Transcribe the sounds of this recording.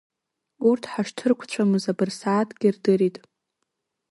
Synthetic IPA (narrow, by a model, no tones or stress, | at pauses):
urtʰħaʂtʰɨrkʷʰt͡ɕʷʰamɨzabɨrsaːtʰʼɡʲirdɨɾitʼ